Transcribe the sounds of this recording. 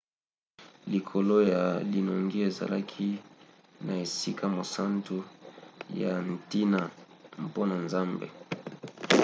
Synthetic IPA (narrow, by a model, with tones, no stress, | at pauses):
li˨kʰo˨lo˦ja˨li˨no˨ŋɡi˦e˨za̰˨la˦kʰi˦ | na˨e˨si˦ka˦mo˨sa˦ntu˦ | ja˨n˨ti˦na˨ | m̩˨po˦na˨nza˦mbḛ˨